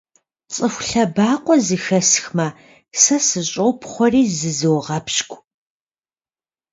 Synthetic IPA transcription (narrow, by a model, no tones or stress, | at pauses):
t͡sʼɨxʷɬɐbaːqʷʼɔzɨxɐsxmɐ | sɐsɨɕʼowpʰχʷɔriːzɨzɨwʁɐpɕkʷʼ